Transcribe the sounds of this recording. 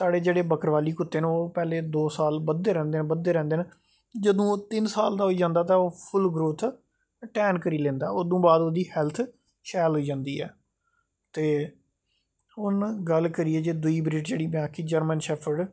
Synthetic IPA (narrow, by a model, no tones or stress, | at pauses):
saːɽeːd͡ʒeːɽeːbəkəɾʋaːliːkʊt̪ːeːneːoːpɛːleːd̪oːsaːlbəd̪eːɾɛ̃ːnd̪eːnẽːbəd̪ːeːɾɛ̃ːnd̪eːnː | d͡ʒəd̪õːt̪ɪnsaːld̪aːɦoːiːd͡ʒãːnd̪aːt̪ãːoːpʰʊlɡɾoːt̪ʰ | ʈɛːnkəɾiːlɛ̃ːnd̪aːoːd̪ũːbaːd̪oːd̪iːhɛːlt̪ʰ | ʃɛːlɦoːiːd͡ʒãːnd̪iːɛ̰ː | t̪eː | ʊnɡəlkəɾiːeːd͡ʒeːd̪ʊiːbɾiːʈd͡ʒeːɽiːbɪãːkiːd͡ʒəɾmənʃɛːpʰəɾɖ